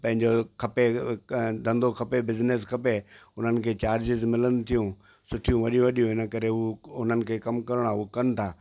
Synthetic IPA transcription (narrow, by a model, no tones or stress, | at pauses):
pɐ̃ɦɪ̃ɲd͡ʑokʰɐpe | d̪ʱɐ̃nd̪okʰɐpebɪzneskʰɐpeʊn̤ənɪ̆kʰeːt͡ɕaːɾd͡ʑɪzmɪlənʊ̆t̪ʰijũ | sʊʈʰijũʋɐɗijũʋɐɗijũɦɪnə̆kɐɾeɦuʊn̤ənɪ̆kʰeːkɐmkɐɾɪɽ̃aukɐnɪ̆t̪ʰaː